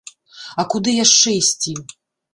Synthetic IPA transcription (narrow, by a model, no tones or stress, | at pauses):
ɐkud̪ɨjaʂt͡ʂɛisʲt͡sʲi